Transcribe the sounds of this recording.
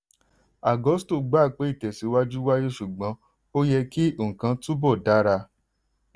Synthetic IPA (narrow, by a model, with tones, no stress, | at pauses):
a˨ɡɔ˨˦sto˦˨ɡ͡ba˦˨k͡pe˨˦i˦˨tɛ˨si˨˦wa˦d͡ʒu˦wa˦je˦ʃu˨ɡ͡bɔ̃˨˦ | o˦jɛ˧ki˦˨ŋ̩˨kã˧˦tũ˦bɔ˦˨da˨˦ɾa˧